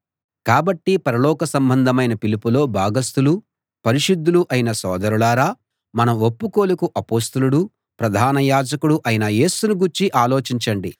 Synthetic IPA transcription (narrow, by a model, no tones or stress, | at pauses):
kaːbɐʈːipɐɾɐlɔːkɐsɐmbɐnd̪ʱɐmɐjnɐpilipulo̞ːbʱaːɡɐst̪ulu | pɐɾiʃud̪ːuluʔɐjinɐsɔ̰ːd̪ɐɾuɭaːɾaː | mɐnɐmʋopːuko̞ːlukuʔɐpoːst̪ɐluɽu | pɾɐd̪ʱaːnɐjaːd͡ʒɐkuɽuʔɐjinɐje̞ːsunuɡuɾt͡ʃiʔaːlo̞ːt͡ʃiɲt͡ʃɐɳɖḭ